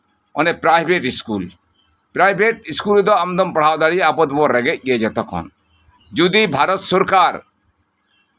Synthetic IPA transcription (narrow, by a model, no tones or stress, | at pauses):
ɔnepɾajbʱeʈiskul | pɾajbʱeʈiskuld̪ɔamd̪ɔmpɔɽ̤awd̪aɽiapɔt̪bɔɾɛɡɛc̚ˀɡɛɛd͡ʒɛt̪ɔkʰɔ̰n | d͡ʒud̪ibʱaɾɔt̪sɔɾkaɾ